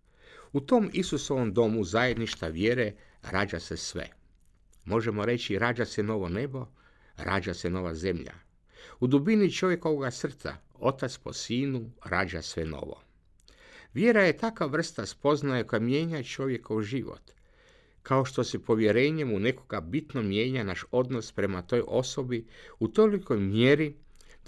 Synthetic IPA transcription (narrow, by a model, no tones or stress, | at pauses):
ut̪o̞misuso̞ʋomd̪o̞muzaje̞d̪niʃt̪aʋjeɾe̞ | ɾaːd͡ʒa̰sesʋḛ | mo̞ʒe̞moɾe̞t͡ɕiɾaːd͡ʒaseno̞ʋo̞ne̞bo̞ | ɾa̰ːd͡ʒaseno̞ʋaze̞mʎa̰ | ud̪ubinit͡ʃo̞ʋje̞ko̞ʋoɡasr̩t̪sa̰ | o̞t̪at̪spo̞̰siːnuɾaːd͡ʒa̰sʋe̞no̞̰ʋo̞̰ | ʋjeɾaje̞t̪akaʋr̩st̪aspo̞znajeko̞jamje̞ːɲat͡ʃo̞ʋje̞ko̞ʋʒiʋo̰t̪ | kʰao̞ʃt̪o̞se̞po̞ʋje̞ɾe̞ːɲe̞mune̞ko̞ɡabit̪nomje̞ːɲanaʃo̞d̪no̞spɾe̞mat̪o̞jʔo̞so̞biut̪o̞liko̞jmjeɾi